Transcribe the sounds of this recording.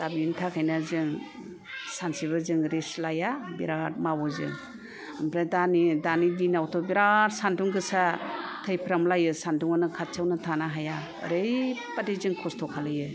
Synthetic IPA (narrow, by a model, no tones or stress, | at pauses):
tabintʰakʰajnazɯŋ | sansiβɯzɯŋɾislajabḭɾaɾ̚mabɔzɯ̰ŋ | ɯmpʰɾadanidanidinawtʰɔbiɾaɾsanduŋɡɯsatʰɯjpʰɾamlajɯsanduŋanɯkʰatt͡ʃʰawnɯtʰanaɦaja̰ | ɾɯjpadizɯŋkʰɔstʰɔkʰalɯjɯ